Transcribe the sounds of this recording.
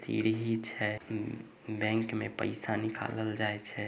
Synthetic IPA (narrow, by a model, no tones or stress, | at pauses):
sḭɾɦit͡ʃʰɛ | bɛ̃ŋkmepə̰ɪsanikʰa̰ləld͡ʒajt͡ʃʰɛ